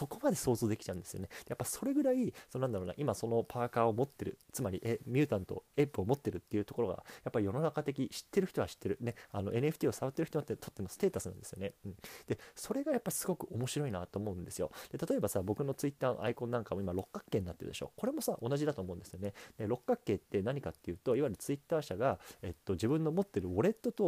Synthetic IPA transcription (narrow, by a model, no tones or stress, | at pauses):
so̞ko̞mad̪e̞so̞ːzoːd̪e̞kʲi̥t͡ɕaɯ̟̃nd̪esɨjo̞̰ned̪̥japːai̥so̞ɾe̞ɡɯ̟ɾaissononãnd̪aɾoːna̰ʔimaso̞no̞pʰaːkaːo̞mo̞t̪ːe̞ɾɯ̟t͡sɨmaɾʲiʔemʲɨ̟ːt̪ãnt̪o̞̰epɯo̞mo̞t̪ːe̞ɾɯ̟t̪ːeiɯ̟t̪o̞ko̞ɾo̞ɡa̰japːaɾʲijo̞no̞nakat̪e̞kʲiɕi̥t̪ːe̞ɾɯ̟çi̥t̪o̞ɡaɕi̥t̪ːe̞ɾɯ̟ne̞ano̞̰ʔe̞nɯe̞ɸɯ̟t̪ʲiːo̞saβat̪ːeɾ̟çi̥t̪omot̪ːet̪o̞t̪ːe̞mo̞sɨ̥t̪e̞ːt̪asɨnãnd̪e̞sɨjoneɯ̟̃ɴd̪̥e̞so̞ɾe̞ɡajapːaɾʲi̥sɨ̥ɡo̞kɯ̟o̞mo̞ɕiɾo̞inat̪o̞ːmo̞ɯ̟̃nd̪e̞sɨjo̞̰d̪̥e̞t̪at̪o̞e̞basabo̞kɯ̟no̞t͡sɨit̪ːaːno̰ʔa̰ikõ̞nːãŋkamo̞imaɾo̞kːakːe̞ːɲ̟inat̪ːe̞ɾɯ̟d̪eɕo̞̰ːko̞ɾe̞mo̞saʔo̞naʑid̪at̪o̞ːmo̞ɯ̟̃nd̪e̞sɨjo̞ne̞d̪e̞ɾo̞kːakːe̞ːt̪ːe̞naɲ̟ikat̪ːe̞jɯ̟ːt̪o̞iβaiɾɯ̟t͡sɨit̪ːaːɕaɡae̞t̪ːo̞ʑibɯ̟̃nːo̞mo̞t̪ːe̞ɾɯ̟o̞ɾe̞t̪ːo̞t̪o̞